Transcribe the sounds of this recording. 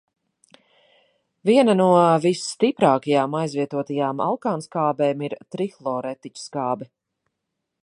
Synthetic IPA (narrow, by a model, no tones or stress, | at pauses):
viɛnɐnuɔvisːt̪ipɾaːkajaːmajzviɛt̪uɔt̪ajaːma̰lˠkaːnskaːbɛːmiɾt̪ɾixlˠɔːɾɛt̪it͡ʃskaːbɛ